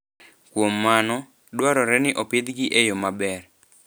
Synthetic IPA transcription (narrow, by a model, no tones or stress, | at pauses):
kwomːanɔ | dwaɾɔɾɛnɪʔɔped̪ɡɪʔejomabɛr